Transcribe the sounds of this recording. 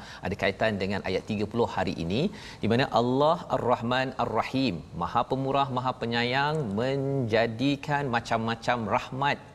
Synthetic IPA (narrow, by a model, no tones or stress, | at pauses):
ʔa̰dakait̪andəŋãnʔa̰jat̪ːiɡapulʊhːaɾḭʔḭnĩ | dimanaʔalːaha̰rˤːɑhmanarːɑhimːã̰hapəmuɾahmãɦapəɲãjaŋmə̃ɲd͡ʒadikʰanmãt͡ʃamːãt͡ʃamrahmãt̪̚